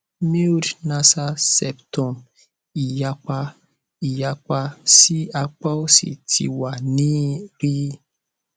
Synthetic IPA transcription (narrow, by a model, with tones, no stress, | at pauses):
me˦˨dnã˧sa˧sɛ˨ptɔ̃˨m | i˨ja˧k͡pa˧ | i˨ja˧k͡pa˧si˦a˧k͡pa˦o˦sḭ˨tʰḭ˧wa˨nĩ˦ɾi˦